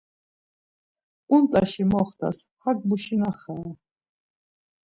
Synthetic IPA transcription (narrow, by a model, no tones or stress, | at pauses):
unt̪ʼaʃimɔχt̪ʰʼa̰s | hakbuʃinaχa